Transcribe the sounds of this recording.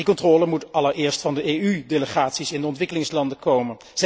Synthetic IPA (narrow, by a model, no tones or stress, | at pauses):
dikɔntrɔːləmutʔɑləɹʔɪːɹstfɑndəʔejydeləχaːtsisɪndəɔntʋɪkəlɪŋslɑndəkowmən | z